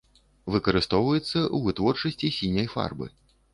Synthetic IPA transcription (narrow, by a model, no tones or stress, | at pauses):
vɨkɐɾɨst̪ɔwvɐjɛt̪sːɐʔuvɨt̪vɔrt͡ʂɐsʲt͡sʲisʲinʲɐjfa̰rbɨ̰